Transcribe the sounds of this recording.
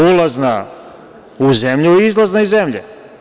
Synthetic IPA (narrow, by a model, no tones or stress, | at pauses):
ulˠazna | uzemʎuizlˠaznaizemʎḛ